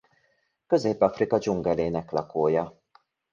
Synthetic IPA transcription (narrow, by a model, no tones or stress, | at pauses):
kø̞zeːpɒfrikɒd͡ʒuŋɡɛleːnɛklɒkoːjɒ